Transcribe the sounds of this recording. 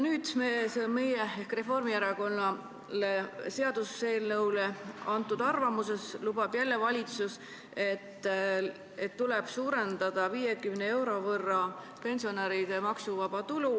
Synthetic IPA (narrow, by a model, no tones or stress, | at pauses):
nyːd̪̥meseme̞jeehkre̞fo̞rmieɾɑko̞nːɑ | le̞se̞ɑd̪̥use̞ːlnɤwle̞ɑnt̪ːˑud̪̥ɑrvɑmuse̞slub̥ɑb̥jælːe̞vɑlʲit̪sus | e̞t̪ː | et̪ːule̞b̥suːɾe̞nd̪ɑd̪̥ɑviːjekymnee̞wɾo̞vɤrːɑ | pe̞nsio̞neɾid̪̥emɑksuvɑb̥ɑt̪ulu